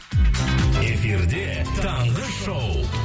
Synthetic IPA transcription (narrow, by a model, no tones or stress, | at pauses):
efiɾd̪et̪ʰɑɴʁəʃow